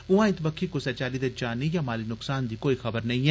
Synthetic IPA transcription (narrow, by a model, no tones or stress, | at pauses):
ʊ̃ãːɪ̃t̪bɐkʰːikosɛt͡ʃaːlid̪ɛd͡ʒaːnijamaːlinʊksaːnd̪ikoːixɐbəɾnɐɦĩɦɛː